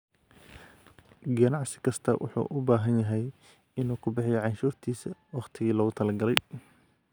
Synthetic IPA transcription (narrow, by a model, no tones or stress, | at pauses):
ɡɐnɑʕsɪ̥kʰɐst̪ʰɐwʊ̰ħṵːʔʊbaːɦɐnjɐɦɛj | ɪnuːkʰʊbɪħɪjɔʕɑnʃuːrt̪ʰiːsɐwɑχt̪ʰɪɣiːlɔːɣʊt̪ʰɐlɐɡɐlɛj